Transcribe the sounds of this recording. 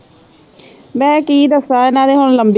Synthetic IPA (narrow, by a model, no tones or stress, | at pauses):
mɛ̃ːkiːd̪əsaːɪnãːd̪eːɦʊɳləmb